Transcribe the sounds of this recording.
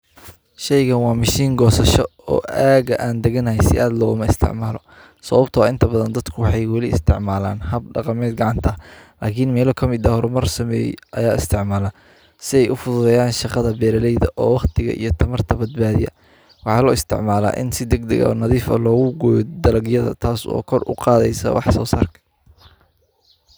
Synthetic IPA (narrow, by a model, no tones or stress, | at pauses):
ʃɛjɣɐnwɑːmɪʃiːŋɡɔːsɐʃɔɔ̰ːʔaːɣɐʔaːnd̪ɛɣɐnɐhɛjsɪ̰ʔaːd̪lɔːɣʊmɐɪst̪ʰɪ̰ʕmaːlɔ̰ | sɐβɐbt̪ʰɐaɪnt̪ʰɐbɐðɐnd̪ɐd̪kʰʊwɑħɑjwɑlɪɪ̰st̪ʰɪʕmaːla̰ːnhɐb̚ɖɑqɑmɛːd̪̚ɡɑʕɑnt̪ʰɐɐlaːkʰinmɛːlɔkʰɐmɪd̪ɐhɔɾʊmɐrsɐmɛ̰ːjɛ̰ʔɐjaːɪst̪ʰɪʕmaːla | sɪɛjʔʊfʊðʊðɛːjaːnʃɑqɑðɐbɛːɾɐlɛjðɐʔɔːwɑχt̪ʰɪɣɐ̰ʔḭjɞt̪ʰɐmɐrt̪ʰɐbɐd̪̚baːðɪjɐ̰ | wɑħɑːlɔːɪst̪ʰɪ̰ʕmaːla̰ːʔɪnsɪd̪ɛɡd̪ɛɣɐ̰nɐðiːfɐ̰lɔːɣʊɡɔːjd̪ɐlɐɡjɐðɐ̰t̪ʰaːsɔ̰ːkʰɔrʊ̰qɑːðɛjsɐ̰wʔɑħsɔ̰ːsa̰ːrkʰɐ̥